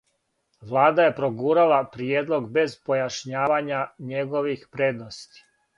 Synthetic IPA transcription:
ʋlˠaːd̪aje̞pɾoɡuːɾalapɾijeːd̪lo̞ɡbe̞zpo̞jaʃɲaːʋaɲaɲeɡo̞ʋixpɾeːd̪nost̪i̥

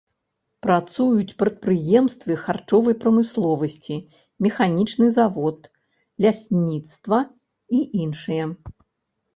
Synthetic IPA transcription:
pɾat̪sujut͡sʲpɾɐt̪̚pɾɨjɛmst̪vʲɨxart͡ʂɔvɐjpɾɐmɨslˠɔvɐsʲt͡sʲi | mʲɛxanʲit͡ʂnɨzavɔt̪ | lʲasʲnʲit̪st̪vɐ | iʔinʂɨjɛ

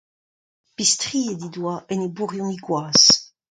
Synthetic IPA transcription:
pistʁiːed̪id̪waʔɛnebuʁjũniɡwaːs

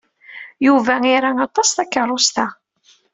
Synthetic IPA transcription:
juvæiɾaɑt̪ˤːɑsθækːərˤːost̪æ

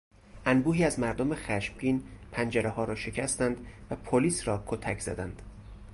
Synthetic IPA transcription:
ʔænbuːhiːæzmæɾd̪omexæʃmɟiːnpʰænd͡ʒæɾehɒːɾɒːʃe̞cʰæst̪ænd̪væpʰoliːsɾɒːkʰot̪ʰæcʰz̥æ̰d̪ænd̪̥

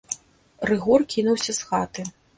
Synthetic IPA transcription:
rɨɣɔrkʲinuwsʲɐsxat̪ɨ

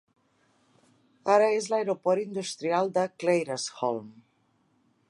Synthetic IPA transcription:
aɾəezlaeɾopɔɾind̪ust̪ɾialˠd̪əklejɾəsxɔ̰lm

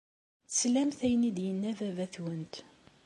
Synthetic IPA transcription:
θslæmθæjənid̪jənːævævæθwənt̪

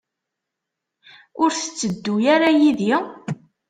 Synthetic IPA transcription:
ʊɾθə̥t͡sːəd̪ːujaɾajiði

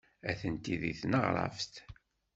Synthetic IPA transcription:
æθənt̪iðiθnəʁɾˤə̰ft̪

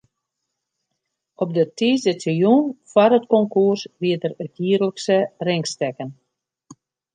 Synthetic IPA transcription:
ɔp̚dətiːzətəjunfwarətkɔŋkursʋiədərətjiːərləksərɪŋkstɛkən

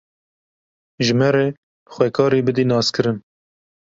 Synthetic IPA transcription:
ʒɨmɛɾeː | b̥ɨxʷɛkʰɑːɾiːbɨd̪iːnɑːskɨɾɨn

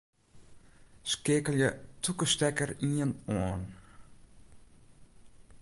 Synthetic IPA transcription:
skeːkəlˠjətʰukəstɛkəriənɔːn

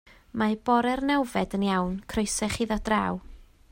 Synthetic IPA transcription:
mab̥ɔɾɛrnɛwvɛdənjawnkʰrojsɛχiðɔd̥raːw

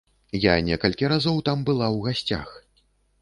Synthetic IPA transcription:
janʲɛkɐlʲkʲiɾazɔwt̪ambɨlˠawɣasʲt͡sʲa̰x

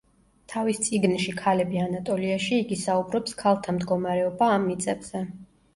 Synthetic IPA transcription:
t̪ʰavist̪sʼiɡnʃikʰalɛbianat̪ʼɔliaʃiːɡisaubɾɔpskʰalˠt̪ʰamd̪ɡɔmaɾɛɔbaːmːit̪sʼɛbz̥ɛ

